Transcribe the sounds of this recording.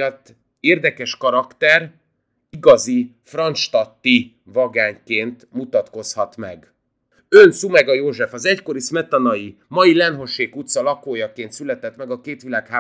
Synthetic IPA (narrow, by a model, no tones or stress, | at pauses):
t̪ː | eːrd̪ɛkɛʃkɒɾɒkt̪ɛr | iɡɒzi | frɒnt͡ʃt̪ɒt̪ːi | vɒɡaːɲkeːnt̪mut̪ɒt̪ko̞shɒt̪mɛɡ | ønsumɛɡɒjoːʒɛfɒzɛcko̞ɾismɛt̪ɒnɒji | mɒjilɛnɦo̞ʃeːkut̪sɒlɒkoːjɒkeːnt̪sylɛt̪ɛt̪mɛɡɒkeːt̪ʋilaːkhaː